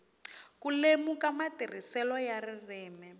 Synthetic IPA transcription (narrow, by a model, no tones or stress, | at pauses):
kulemukamatir̤isɛlɔjarirɛːmɛ